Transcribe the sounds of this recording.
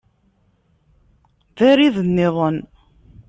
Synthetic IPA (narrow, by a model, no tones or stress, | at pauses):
ðæɾiðənːɪðˤən